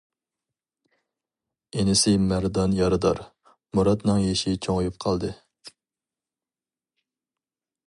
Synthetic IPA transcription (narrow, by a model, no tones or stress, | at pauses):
enɪsɪmæɾd̪ɑnjɑɾɨd̪ɑɾ | muɾɑt̪nɨŋjeʃɪt͡ʃʰoŋjup̚qʰɑlˠd̪ɨ